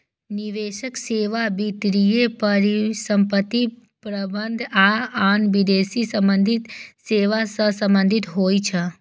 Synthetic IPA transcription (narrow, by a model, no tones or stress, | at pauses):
niʋeːʃəkseːʋabit̪ɾijepəɾisəmpət̪ːi | pɾəbənd̪ʱaaːnʋid̪eːsisəmbənd̪ʱit̪seːʋasəsə̃mbənd̪ʱit̪ɦoːit͡ʃʰə